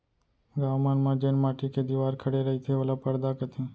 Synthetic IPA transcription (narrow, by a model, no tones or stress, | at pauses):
ɡaːʋmaːnmãːd͡ʒeːnmaːʈiked̪iʋaːɾkʰəɽeɾəɦit̪ʰeʋəlapəɾd̪akət̪ʰĩː